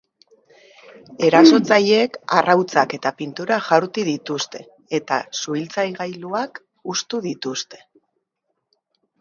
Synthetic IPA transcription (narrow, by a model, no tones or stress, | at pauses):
e̞ɾaso̞t͡saje̞karawt͡sake̞t̪apint̪uɾaʝaɾt̪iðit̪ust̪e̞ | et̪a̰suilt͡sajɣajluak | ust̪uðit̪ust̪e̞̥